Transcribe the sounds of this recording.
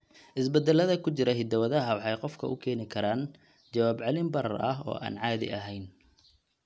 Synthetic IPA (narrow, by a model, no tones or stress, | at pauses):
ʔɪsbɛd̪ɛlːɐðɐkʰʊt͡ʃɪɾɐɦɪd̪ɐwɐðɐɦɐwɑħɑjqɔfkʰɐ̰ʔʊ̰kʰɛːnɪkʰɐɾaːn | t͡ʃɐwaːbʕɑlɪmbɐɾɐ̰rɐ̰ɦɔ̰ːʔa̰ːnʕɑːðɪ̰ʔɐɦɛjn